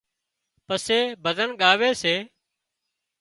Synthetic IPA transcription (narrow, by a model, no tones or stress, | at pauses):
pəseːbʱəzənɠaːʋeːseː